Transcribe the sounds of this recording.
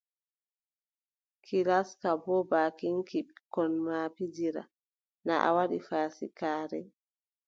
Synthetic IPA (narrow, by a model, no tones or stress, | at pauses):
kʰilaskabɔbaːkiŋkikɔnmapid͡ʒiɾa̰ | na̰ʔa̰waɗifaːsḭkaːɾɛ̰